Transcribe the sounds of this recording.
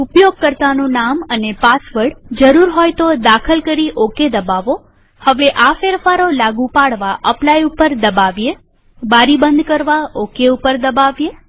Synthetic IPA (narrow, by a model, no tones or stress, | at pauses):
upjoɡ̚kəɾt̪anũnamənepasʋəɽd͡ʒəɾuɾɦɔjt̪od̪akʰəlkəɾiʔoked̪əbaʋo | həʋeʔafeɾfaɾolaɡũpaɽʋaʔəplajupəɾd̪əbaʋje | baɾibənd̪kəɾʋaokeupəɾd̪əbaʋje